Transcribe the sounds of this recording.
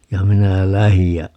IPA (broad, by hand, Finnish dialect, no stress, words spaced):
jɑ minæ læhij jɑ